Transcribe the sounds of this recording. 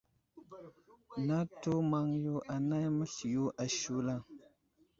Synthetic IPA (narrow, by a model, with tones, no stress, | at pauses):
na˦to˦ma˦ŋju˦ʔa˨na˦jmə˦ɬi˨ju˦ʔa˨ʃu˦la˦˨ŋ